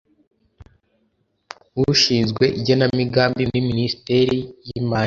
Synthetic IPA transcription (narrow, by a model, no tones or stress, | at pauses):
wuʃiːnzɡwe̞ʔiɟonamiɡaːmbiniminisi̥teɾijimaː